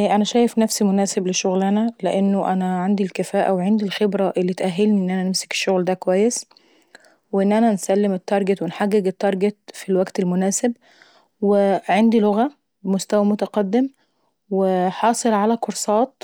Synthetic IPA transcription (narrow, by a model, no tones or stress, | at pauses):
ʔænæʃæːjefnæfsimonæːsebleʃoɣlænæleʔenːoʔænæʕand̪ilkæfæːʔæweʕend̪ilxebɾæʔelːit̪ʔæɦːelniʔenːʔænænemse̥ke̥ʃːoɣld̪ækowæjːes | weʔenːʔænænsælːemet̪ːɑɾˤɡet̪wenħaɡːeɡet̪ːɑɾˤɡet̪̚filwæɡt̪elmonæːseb̚ | weʕend̪iloɣæ | bemost̪æwæmot̪æqɑd̪ːem | weħɑːsˤelʕalækoɾsˤɑːt̪̚